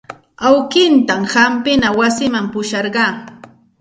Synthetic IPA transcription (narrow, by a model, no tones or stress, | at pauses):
awkɪnt̪amhampɪnawasɪmampʊʃɑɾɢɑː